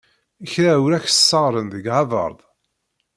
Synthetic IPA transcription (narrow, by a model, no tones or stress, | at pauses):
əçɾæuɾæçsːɑʁɾənðəɡʕɑðˤə̰ɾˤðˤ